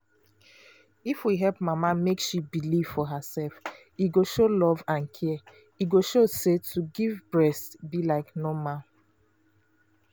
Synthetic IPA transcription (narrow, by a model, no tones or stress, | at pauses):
ifwiɦɛlpmamamekʃibiliv̥fɔɦasɛlf | iɡoʃolɔvãnkʰɛ | iɡoʃosetʰuɡivbɹɛstbilaɪknomãn